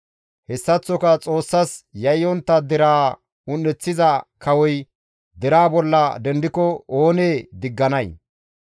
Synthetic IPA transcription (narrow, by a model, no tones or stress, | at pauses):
hɛsːɐt͡sːɔkɐt͡sʼo̞ːsːɐsjɐjːɔnt̪ːɐd̪ɛɾaː | ʊnːɛt͡sːɪzɐkɐwɔj | d̪ɛɾaːbɔlːɐd̪ɛnd̪ɪkɔoːneːd̪ɪɡːɐnɐj